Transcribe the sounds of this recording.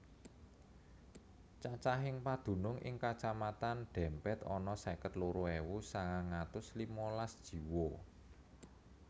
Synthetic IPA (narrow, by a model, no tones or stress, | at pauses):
t͡ʃat͡ʃaɦɪŋpad̪̥ṳnʊŋʔɪ̰ŋkat͡ʃamat̪anɖ̪̥ɛ̤mpɛt̪ɔ̰nɔsɛkət̪loɾoewusaŋaŋat̪ʊslimɔlasd̥ʒ̥i̤wo